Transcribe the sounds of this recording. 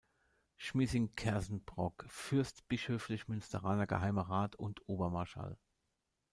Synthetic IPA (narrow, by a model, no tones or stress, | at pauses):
ʃmiːzɪŋkʰɛɐzn̩b̥ʁɔkfʏɐstb̥ɪʃhøːflɪçmʏnstəʁaːnɐɡə̰haɪməʁaːtʰʊntʰʔoːbɐmaɐʃa̰l